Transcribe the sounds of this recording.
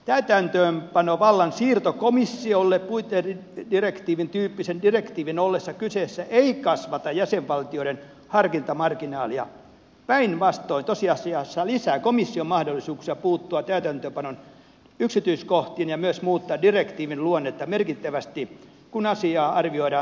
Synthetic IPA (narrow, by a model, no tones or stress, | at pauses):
t̪æyt̪ænt̪øːmpɑnoʋɑlːɑnsiːrt̪okomisːiolːeppuit̪edirekt̪iːʋint̪yːpːisendirekt̪iːʋinolːesːɑkysesːæʔeikɑsʋɑt̪ɑjæseʋʋɑlt̪ioiɾen | hɑrkint̪ɑmɑrkinɑːliɑ̰ | pæinʋɑst̪oint̪osiɑsiɑsːɑlisæːkomisːiommɑhdolːisuːksiɑpuːt̪ːuɑt̪æyt̪ænt̪øːmpɑnon | yksit̪yiskoht̪iːnjɑmyøsmuːt̪ːɑːdirekt̪iːʋinluonːet̪ːɑmerkit̪ːæʋæst̪i | kunɑsiɑːʔɑrʋioiɾɑ